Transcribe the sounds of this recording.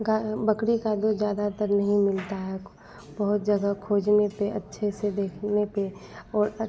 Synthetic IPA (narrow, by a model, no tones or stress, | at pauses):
ɡabəkɽikad̪od͡ʒjaːd̪at̪əɾnɐɦĩmɪlt̪aɦɛ | bəɦʊt̪̚d͡ʒɐɡəkʰoːd͡ʒnepeɐ̰tːʃʰesed̪eːkʰnepeɔːɾ